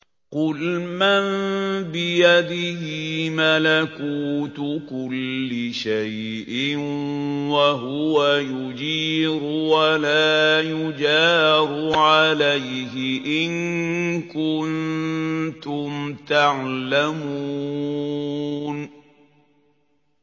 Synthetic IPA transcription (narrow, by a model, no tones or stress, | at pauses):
qʊlmanbɪjad̪ɪhɪmalakuːt̪ʊkʊlːɪʃaj | ʔɪnwaɦʊwajʊd͡ʒiːɾʊwalaːjʊd͡ʒaːɾˤʊʕalajɦɪʔɪnkʊn | t̪ʊmt̪aʕlamuː | n